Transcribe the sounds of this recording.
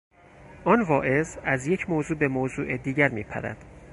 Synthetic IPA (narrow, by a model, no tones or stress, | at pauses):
ʔɒːnvɒːʔe̞zæzje̞cʰmoːzuːbe̞moːzuːʔed̪iːɟæɾmiːpʰæ̰ɾæ̰d̪̥